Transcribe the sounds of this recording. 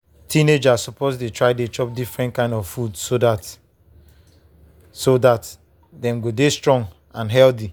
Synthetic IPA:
tʰined͡ʒasɔpozdetɹaɪdet͡ʃɔp̚difɹɛ̃ntkãɪ̃ndɔvfudsodat | sodat | dɛ̃mɡodestɹɔ̃ŋ | ãnɦɛlθi

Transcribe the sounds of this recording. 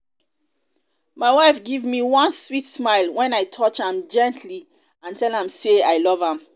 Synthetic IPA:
maɪwaɪfɡivmiwɔ̃nswitsmaɪlˠwɛ̃najtʰɔt͡ʃãmd͡ʒɛ̃ntʰli | ãntɛlãmseajlɔvãm

